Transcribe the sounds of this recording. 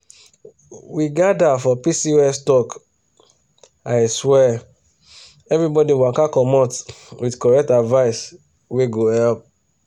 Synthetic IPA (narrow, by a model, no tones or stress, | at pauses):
wiɡadafɔpisiɛstɔk | aɪswɛ | ɛvɹibɔdiwãkakɔmɔ̃twidkɔɹɛk̚tadvaɪs | weɡohɛlp̚